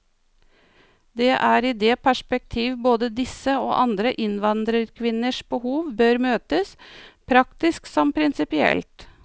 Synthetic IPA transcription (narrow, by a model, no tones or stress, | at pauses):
d̪ɛːʔæːɾiːd̪ɛːpʰæʂpɛk̚t̪ʰiːʋboːd̪əd̪ɪsəo̰ːʔɑnd̪ɾəʔɪnʋɑnd̪ɾəɾkʰʋɪnəʂbəhuːʋbøːɾmøːt̪əspʰɾɑkt̪ɪsksɔmpʰɾɪnsɪpɪɛ̰lt̪